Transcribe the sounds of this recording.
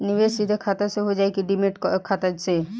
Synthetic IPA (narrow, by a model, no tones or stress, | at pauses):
nibesid̪ʱekʰat̪aseɦod͡ʒajkiɖimiʈkɔkʰat̪ase